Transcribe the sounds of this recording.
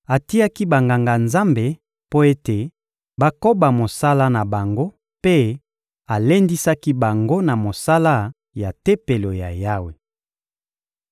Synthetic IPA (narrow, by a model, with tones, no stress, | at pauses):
a˨ti˦ja˦ki˦ba˨ŋɡa˨ŋɡa˨nza˦mbe˨ | po˦e˦te˨ | ba˦ko˦ba˨mo˨sa˦la˦na˨ba˨ŋɡo˦ | pe˦ | a˨le˦ndi˦sa˦ki˦ba˨ŋɡo˦na˨mo˨sa˦la˦ | ja˨te˦pe˨lo˨ja˨ja˦we˨